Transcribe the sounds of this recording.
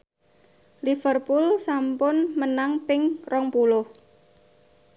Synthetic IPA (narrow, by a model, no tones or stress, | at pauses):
lifərpulsampʊnmənaŋpɪŋrɔŋpulʊh